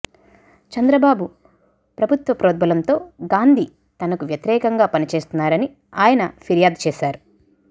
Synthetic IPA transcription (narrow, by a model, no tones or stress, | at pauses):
t͡ʃɐnd̪ɾɐbaːbu | pɾɐbʱut̪ʋɐpɾoːd̪̚bɐlɐnt̪o̞ːɡaːnd̪ʱi | t̪ɐnɐkuʋjɐt̪iɾɛːkɐŋɡaːpɐnit͡ʃe̞ːst̪unːaːɾɐni | aːjɐnɐpʰiɾjaːd̪t͡ʃeːʃaːɾu